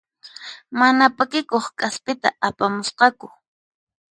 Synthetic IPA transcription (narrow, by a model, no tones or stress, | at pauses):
manapakɪkoχkʼaspɪt̪a̰ʔapamʊsqɑkʊ